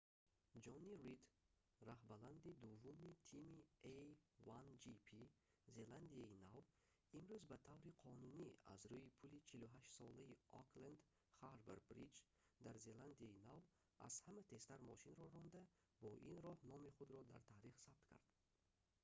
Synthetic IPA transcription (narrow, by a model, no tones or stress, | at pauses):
d͡ʒɔnirid̪ | rahbaland̪id̪uvːumit̪ʰimievand͡ʒipʰi | ze̞land̪iainav | imɾuzbat̪ʰavɾiqʰɔnunia̰zɾuipʰulit͡ʃʰiluɦaʃt̪sɔlaiɔkland̪ | χaɾvḛɾbɾḭd͡ʒ | d̪aɾze̞land̪iainav | ʔa̰z̥hamæt̪ʰe̞st̪aɾmɔʃinɾɔɾɔnd̪a | bɔʔinɾɔhnɔmiχud̪ɾɔd̪a̰ɾt̪ʰaɾiχsab̥̚t̪kʲʰa̰ɾd̪̥